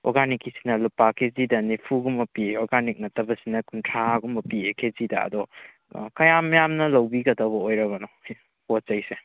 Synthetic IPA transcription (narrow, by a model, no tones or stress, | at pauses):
ɔ̰ɾɡanikːisi̥nɐlupakʰezidɐnipʰuɡumːɐpieɔɾɡanik̚nɐtːɐbɐsinɐkuntʰɾaɡumbɐpiekʰezidɐɐ̰dɔ | kɐjamɐjamnɐlɐwbiɡɐdɐβɐojɾɐβɐnɔ | ott͡ʃɐjse